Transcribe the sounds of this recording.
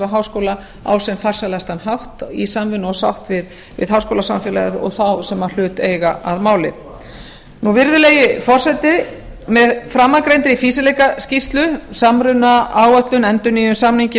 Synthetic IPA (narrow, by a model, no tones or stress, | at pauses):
aɦaːwskowla | a̰wsɛmfar̥salast̪anɦaft̪isamvɪnɔsa̰wht̪vɪð | vɪ̰ðɦawskowlasamfɪːla̰ɣðɔ̰ɣθawsɛmːal̥ʏːt̪eːjɣaaðmaːwlɪ̰ | nuvɪɾðʏlejɪfɔr̥sɛt̪ɪ | mɛðfɾamːakɾejnt̪ɾɪifiːsɪlejkascist̪lʏsamɾʏnaaːwaht̪lʏnɛnt̪ʏniːjʏsaːmniɲcɪ